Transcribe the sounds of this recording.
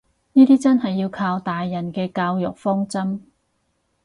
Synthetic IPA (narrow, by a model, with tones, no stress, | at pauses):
niː˥t̪iː˥t͡sɐ˥nhɐ˨jːiː˧wkʰaː˧wt̪aː˨jːɐ˨˩nkɛː˧kaː˧wjʊ˨k̚fɔː˥ŋt͡sɐ˥m